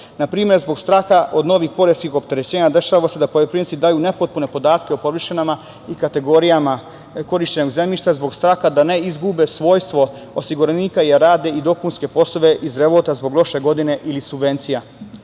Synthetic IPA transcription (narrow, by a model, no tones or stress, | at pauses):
napɾiːmjeɾzbo̞ɡst̪ɾaːxaʔo̞d̪no̞ːʋixpo̞ɾeskixo̞p̚t̪e̞ɾet͡ɕeːɲad̪e̞ʃaʋase̞d̪apo̞ʎopɾintsid̪aːjune̞po̞t̪̚pune̞po̞d̪aːt̪keopo̞ʋiʃanama | ikat̪e̞ɡoɾijama | ko̞ɾiʃt͡ɕe̞noɡzemlʲiʃt̪azbo̞ɡst̪ɾaːxad̪ane̞izɡubesʋo̞ːjst̪ʋo̞ | osiɡuɾeniːkaijaɾaːd̪e̞id̪o̞kunske̞po̞slˠoʋe̞ʔizɾe̞ʋot̪azbo̞ɡlˠo̞ʃe̞ɡo̞d̪ine̞ʔilisubʋe̞nt̪sija